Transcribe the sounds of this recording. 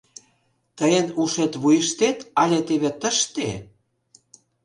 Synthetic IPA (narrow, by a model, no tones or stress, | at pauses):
t̪əjənuʃet̪βujəʃt̪et̪ɑlʲet̪eβet̪əʃt̪ḛ